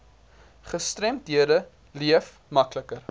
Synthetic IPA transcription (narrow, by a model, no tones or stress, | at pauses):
χəstrɛmtɦiədə | liəf | mɐkləkər